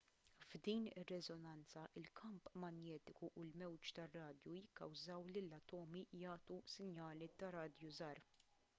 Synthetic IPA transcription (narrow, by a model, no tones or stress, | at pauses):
vd̪iːnɪrːɛzɔnɐnt͡sɐʔɪlkʰɐmpmɐnjɛːt̪ɪkuʔʊlmɛwt͡ʃt̪ɐrːɐːd̪jujɪkːɐwzɐwlilːɐt̪ɔːmijɐːt̪usɪnjɐːlit̪ɐɾɐːd̪juzɐːɾ